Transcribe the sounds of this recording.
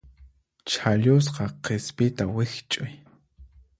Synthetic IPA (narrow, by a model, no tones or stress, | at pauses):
t͡ʃʰaʎʊs̬qɑqespɪt̪awɪxt͡ʃʼʊj